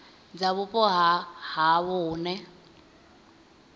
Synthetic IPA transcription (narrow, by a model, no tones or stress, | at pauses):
d͡zaβʊpʼɔɦahaβʊːnɛ